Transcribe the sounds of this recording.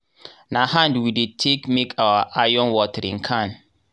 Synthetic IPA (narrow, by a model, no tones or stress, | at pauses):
nahãndwidetʰekmekʰawaʔajɔ̃nwɔtɛɾḭ̃ŋkʰãn